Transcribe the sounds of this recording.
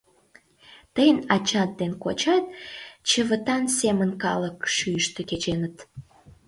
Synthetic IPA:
t̪əjənɑt͡ɕɑt̪̚d̪enkot͡ɕɑt̪̚t͡ɕəβət̪ɑnsemənkɑləkʃyjəʃt̪eket͡ɕenət̪

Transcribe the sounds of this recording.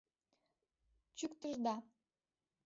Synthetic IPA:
t͡ɕykt̪eʒd̪ɑ

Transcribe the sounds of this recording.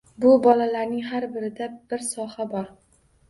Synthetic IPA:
bʊbɒlalaɾnɪŋɦaɾbɪɾɪd̪ab̥ɪɾsɒhabɒɾ

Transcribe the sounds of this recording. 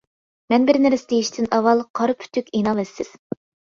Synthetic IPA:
mɛnbɪɾnɪɾɪsɪd̪ejiʃt̪ʰɪnɑwɑlˠqʰɑɾpʰy̥t̪ʰykʲenɑlˠɛsːɪz̥

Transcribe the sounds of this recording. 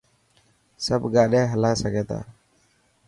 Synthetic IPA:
səb̚ɡaʔɗɛɦəlasaɡɛt̪a̰

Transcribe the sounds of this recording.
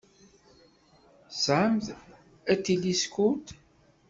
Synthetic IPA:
sʕəmð | æt̪ːiliskut̪

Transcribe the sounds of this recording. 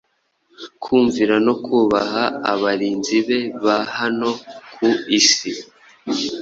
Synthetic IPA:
kʰuːɱviɾano̞kʰuːβaɦaːβaɾiːnziβe̞βahano̞kʰuisi

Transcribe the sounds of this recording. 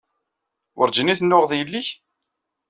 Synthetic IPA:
wʊ̰ɾd͡ʒəniθənːʊʁðjəlːiç

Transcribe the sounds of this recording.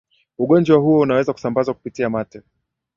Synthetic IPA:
uɠɔnd͡ʒwaɦuɔunawɛzaku̥sambazaku̥pitiamatɛ

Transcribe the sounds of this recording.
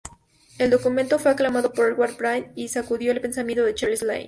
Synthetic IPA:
e̞ld̪o̞kument̪o̞fwe̞aklamað̞o̞poɾelɣwaɾpɾajnisakuðjo̞elpe̞nsamjẽnt̪oðet͡ʃaɾlisla̰jn

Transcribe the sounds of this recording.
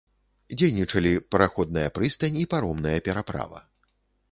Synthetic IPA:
d͡zʲejnʲit͡ʂɐlʲipɐɾaxɔd̪nɐjɐpɾɨst̪ɐnʲipaɾɔmnɐjɐpʲɛɾapɾa̰vɐ̰

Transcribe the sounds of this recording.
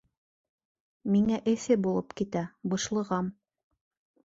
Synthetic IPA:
miŋæʔɘ̆θɘbulˠɤpkit̪æbɤ̆ʃlˠɤ̆ʁɑm

